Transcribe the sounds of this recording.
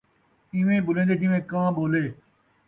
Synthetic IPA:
ɪʋẽːɓʊlẽːnd̪eːd͡ʒɪ̃ʋẽːkãːɓoːleː

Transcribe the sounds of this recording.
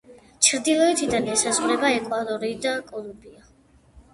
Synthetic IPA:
t͡ʃʰɾd̪ilˠɔɛt̪ʰid̪anɛsazʁɾɛbaɛkʼwad̪ɔɾiːd̪akʼɔlˠubia

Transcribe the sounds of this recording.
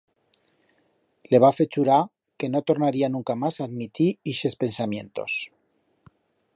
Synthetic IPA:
le̞β̞afe̞t͡ʃuɾa | ke̞no̞t̪o̞ɾnaɾianũŋkamasad̪mit̪iiʃe̞spe̞nsamjẽ̞̰nt̪o̞̰s

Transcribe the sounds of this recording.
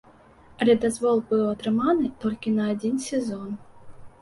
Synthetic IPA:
ɐlʲɛd̪azvɔlˠbɨwɐt̪ɾɨmanɨt̪ɔlʲkʲinɐːd͡zʲinsʲɛzɔn

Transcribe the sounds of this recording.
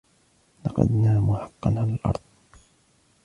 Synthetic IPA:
lɑqɑ̰d̪naːmʊħɑqːɑnʕalalʔɑ̰ɾˤðˤ

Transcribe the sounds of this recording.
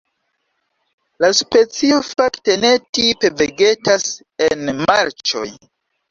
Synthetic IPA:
laspe̞t͡sio̞fakte̞ne̞tipe̞veɡe̞tas | e̞nmaɾt͡ʃo̞̰j

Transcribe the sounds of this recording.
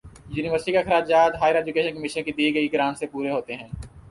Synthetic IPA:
juːnɪʋəɾsʈikexɐɾaːd͡ʒaːt̪ɦaːjəɾeːd͡ʒʊkeːʃənkɐmɪʃənkid̪iːɡɐiɡɪɾaːnsepuːɾeɦoːt̪eɦɛ̃ː

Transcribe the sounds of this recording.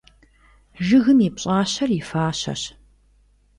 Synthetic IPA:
ʒɨɣɨmipɕʼaːɕɐrɪfaːɕɐ̰ɕ

